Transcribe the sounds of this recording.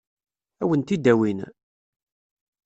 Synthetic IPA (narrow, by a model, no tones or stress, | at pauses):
æwənt̪id̪ːæwin